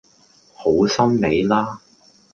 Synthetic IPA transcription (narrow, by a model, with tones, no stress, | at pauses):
ho˨˥wsɐ˥nne˨˧jlaː˥